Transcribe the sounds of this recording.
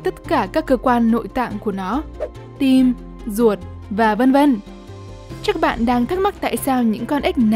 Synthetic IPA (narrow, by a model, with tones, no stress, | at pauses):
t̪ə˦˥t̚kaː˧˩kaː˦˥kːəː˧kwaː˧nːo̰˧˨jt̪a̰ː˧˨ŋku˧˩ənɔ˨˦ | t̪i˧m | zu˨˩ət̚ | vaː˨˩və˧nvə˧n | t͡ɕaː˦˥k̚ɓa̰ː˧˨nɗaː˧ŋt̪ʰa˦˥ma˦˥t̚t̪a̰ː˧˨jsaː˧wɲɨ̰˧˥ŋkɔ˧nʔa˦˥k̟̚na